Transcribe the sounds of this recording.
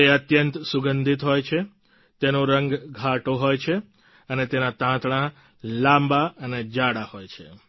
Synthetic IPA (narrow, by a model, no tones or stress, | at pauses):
eət̪jənt̪suɡənd̪ʱit̪ɦojt͡ʃʰe | t̪enoɾəŋɡɡʱaʈoɦojt͡ʃʰe | ənet̪enat̪ãt̪ɳa | lãmbaəned͡ʒaɽahojt͡ʃʰḛ